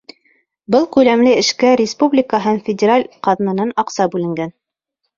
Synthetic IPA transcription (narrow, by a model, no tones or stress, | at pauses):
bɤlˠkʉlæmlɘɘ̆ʃkæɾʲɪspublʲɪkəɦɤnfʲɪdʲɪɾalʲqɑðnɤ̆nɤnɑqsɑbʉlɘ̆ŋɡæn